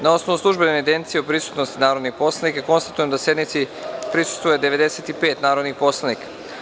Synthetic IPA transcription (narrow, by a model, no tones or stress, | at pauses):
nao̞snoʋuslˠuʒbeneed̪ent̪sijeupɾisu̥t̪nost̪inaːɾod̪nixpo̞slˠanikako̞nst̪at̪ujemd̪asje̞d̪nit̪sipɾisu̥st̪ʋujed̪eʋe̞d̪e̞seːt̪ipeːt̪naːɾod̪nipo̞slˠanikḁ